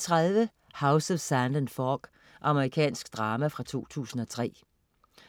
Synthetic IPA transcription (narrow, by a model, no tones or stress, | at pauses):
t͡sʰʁaðˠʋə | hɑ̈ʊsəð̩ˠsænd̥ənfɒːɡ̥ | ʔɑ̈məʁikʰɛ̰ːnsɡ̥d̥ʁɑ̈ːmæfʁɑ̈t͡sʰo̝̰ːt͡sʰṵːsn̩ɒ̽t͡sʰʁɛ̰ː